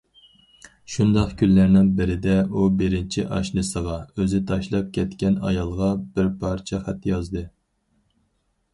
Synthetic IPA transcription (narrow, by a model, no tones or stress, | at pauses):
ʃund̪ɑqkʲʰylːæɾnɪŋbɪɾɪd̪ɛubɪɾɪnt͡ʃʰiʔɑʃnɨsəʁɑøzɪt̪ʰɑʃlˠɑp̚kʲʰɛt̪kʲɛnɑ̰jɑlˠʁɑbɪɾpʰɑɾt͡ʃʰɛχæt̪ːjɑzd̪ɨ